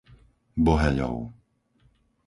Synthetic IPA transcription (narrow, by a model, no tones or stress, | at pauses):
bɔɦɛɲɔ̰ʊ